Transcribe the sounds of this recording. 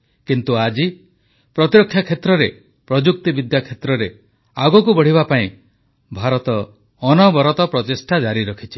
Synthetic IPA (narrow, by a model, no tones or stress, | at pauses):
kint̪uad͡ʒi | pɾɔt̪iɾɔkʰːjakʰet̪ɾɔɾe | pɾɔd͡ʒuk̚t̪ibid̪jakʰet̪ɾɔɾe | aɡɔkubɔɽ̤ibapaĩ | bʱaɾɔt̪ɔː | nɔbɔɾɔt̪ɔpɾɔt̪isʈʰad͡ʒaɾiɾɔkʰit͡ʃʰi̥